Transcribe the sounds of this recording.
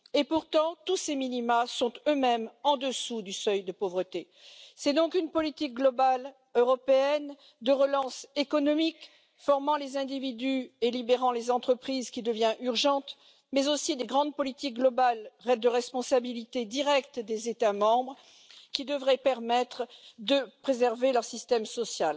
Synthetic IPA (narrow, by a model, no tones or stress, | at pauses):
epuʁt̪ɑ̃t̪useminimasɔ̃t̪ømɛmɑ̃d̪əsud̪ysœjd̪əpovʁət̪e | sɛd̪ɔ̃kynpɔlit̪ik̚ɡlɔbal | øʁɔpeɛn | d̪əʁəlɑ̃sekɔnɔmik | fɔʁmɑ̃lezɛ̃d̪ivid̪yelibeʁɑ̃lezɑ̃t̪χəpχizkʲid̪əvjɛ̃ʔyʁʒɑ̃t̪ | mɛzosid̪eɡʁɑ̃d̪̚pɔlit̪ik̚ɡlɔbalʁɛd̪əʁɛspɔ̃sabilit̪ed̪iʁɛkt̪d̪ezet̪amɑ̃bʁ | kʲid̪əvʁɛpɛʁmɛt̪χd̪əpχezɛʁvelœʁsist̪ɛmsɔsjal